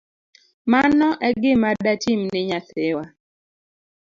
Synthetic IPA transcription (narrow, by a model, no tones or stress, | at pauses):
manɔʔɛɡɪmadatimnɪɲat̪ewa